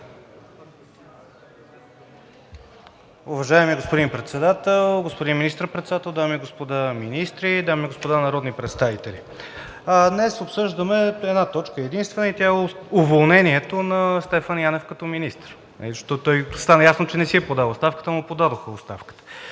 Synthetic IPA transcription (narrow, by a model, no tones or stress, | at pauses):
ʊvɐʒaɛmiɡospod̪inpɾɛt̪sɛd̪at̪ɛlˠɡospod̪inminist̪ɾpɾɛt̪sd̪at̪ɛlˠd̪amiɡospod̪aminist̪ɾid̪amiɡospod̪anɐɾɔd̪nipɾɛt̪st̪avit̪ɛli | d̪nɛsopsɤʒd̪əmɛɛd̪nat̪ɔt͡ʃkəɛd̪inst̪vɛnəit̪jaɛʊvolˠnɛniɛt̪onɐst̪ɛfanjanɛfkɐt̪ɔminist̪əɾ | nɐ̰izəʃt̪ɔt̪ɔjst̪anəjasnot͡ʃɛnɛsiɛpod̪avˠost̪afkə̥t̪əmʊpod̪ad̪oxəost̪afkə̥t̪ə̥